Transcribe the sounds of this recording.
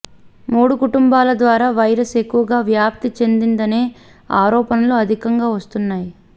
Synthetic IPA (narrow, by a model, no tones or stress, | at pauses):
muːɽukuʈumbaːlɐd̪ʋaːɾaːʋɐjɾɐse̞kːuʋɐɡaːʋjaːp̚t̪it͡ʃe̞nd̪ind̪ɐne̞ː | aːɾɔːpɐnɐluɐd̪ʱikɐŋɡaːʋɐst̪unːaːji